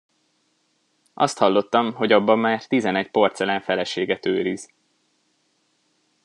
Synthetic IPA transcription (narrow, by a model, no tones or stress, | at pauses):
ʔɒ̰st̪hɒlːo̞t̪ːɒmɦo̞ɟɒbːɒmːaːrt̪izɛnɛc̚po̞rt̪sɛlaːɱfɛlɛʃeːɡɛt̪øːɾiz̥